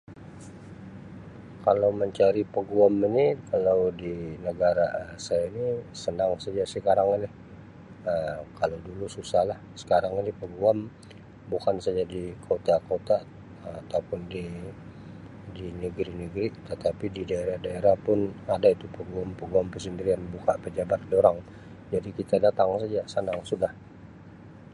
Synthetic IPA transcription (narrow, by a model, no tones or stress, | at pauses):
kalawməɲt͡ʃaɾipəɡuaminikalawdinəɡaɾaəsajainisənaŋsad͡ʒasəkaɾaŋinɪ | əkaladulususahlahsə̥kaɾaŋinipəɡuam | bukansad͡ʒadikʰot̪akot̪a | at̪aupʊndi | dinəɡɾinəɡɾit̪ət̪apididaeɾahdaeɾahpʊnadait̪upəɡuampəɡuampəsənbiɾianbukapəd͡ʒabat̪̚doɾaŋ | d͡ʒadikit̪adat̪aŋsad͡ʒasənaŋsudah